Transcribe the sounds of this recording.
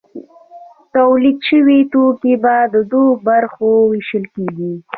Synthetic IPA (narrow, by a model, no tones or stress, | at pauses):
t̪awlid̪ʃəwit̪okebad̪əd̪obaɾxowiʃəlkeɡi